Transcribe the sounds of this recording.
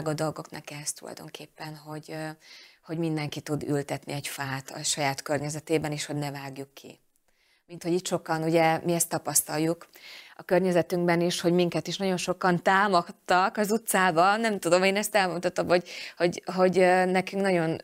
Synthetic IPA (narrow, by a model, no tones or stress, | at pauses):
ɡɒd̪o̞lɡo̞knɛ̰kɛst̪ulɒ̰jd̪o̞̰ŋkʰeːpːɛnɦo̞ɟ | ho̞ɟmind̪ɛŋkit̪ud̪y̰lt̪ɛt̪nḭɛɟfaːt̪ɒ̰ʃɒjaːt̪kørɲɛzɛt̪eːbɛniːʃho̞ɟnɛvaːɡjukʰːḭ | mint̪ho̞ɟiːt̪ʃo̞kɒnuɟɛmiɛst̪ːɒpɒst̪ɒjjukɒkørɲɛzɛt̪yŋɡbɛniʃho̞ɟmiŋkɛt̪iʃnɒɟo̞nʃo̞kɒnt̪aːmokt̪ːɒkɒzut̪saːbɒnɛmt̪ud̪o̞meːnɛst̪ɛlmut̪ɒt̪ːomho̞ɟho̞ɟɦo̞ɟnɛkyŋknɒɟo̞n